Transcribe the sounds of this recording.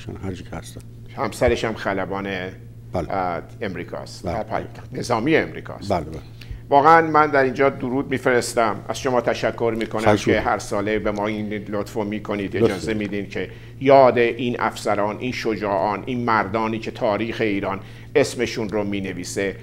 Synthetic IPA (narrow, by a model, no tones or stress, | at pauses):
ʃnhæɾd͡ʒikʰæsæ | hæmsæɾe̞ʃæmxælæbɒːne | bl | emɾiːkʰɒ̰ːs | ne̞zɒːmiːeemɾḭːkʰɒ̰ːsæl | vɒːɣeænmænd̪æɾiːnd͡ʒɒːd̪oɾuːd̪̚miːfe̞ɾe̞st̪æmæ̰z̥ʃo̞mɒːt̪ʰæʃækʰːo̞ɾmiːkʰo̞næmʰeɦæɾsɒːlebemɒːinlot̪fomiːkʰo̞niːd̪ed͡ʒɒːze̞mid̪imcʰe | jɒːd̪e̞ʔiːnʔæ̰fsæɾɒːnʔiːnʃod͡ʒɒːʔɒːnʔiːnmæɾd̪ɒːniːcʰe̞t̪ʰɒːɾiːxe̞iːɾɒːn | e̞sme̞ʃunromiːne̞viːse̞